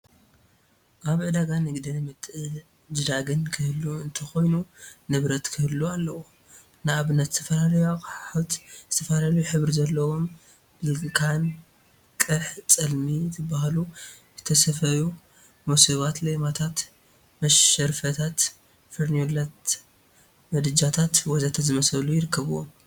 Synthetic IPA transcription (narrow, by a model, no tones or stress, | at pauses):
ʔaβʕɨd̪aɡanɨɡd̪ɨnmɨt̪ʼɨ | d͡ʒɨd̪aɡɨnkʰɨhɨlːuɨnt̪ʰɐxo̞jnunɨβɾɐt̪kʰɨhɨlːualːɐwu | nɨaβɨnɐt̪zɨ̥t̪ʰɐfɐlaljaħat̪zɨt̪ʰɐfɐlalɐjuħɨβɾizɐlːɐwo̞m | ɨlɡɨkʰan | kʼɨħt͡sʼɐlmit̪ʰɨbːahlu | zɨt̪ʰɐsɐfɐju | moseβat̪lemat̪ʰat̪ | mɐʃɐɾfɐt̪ʰat̪ | fɨɾnjolat̪ | mɐd̪ɨd͡ʒat̪ʰat̪wɔzat̪ʰat̪zɨmɐsɐlujɪɾɨkʰːɐβuwom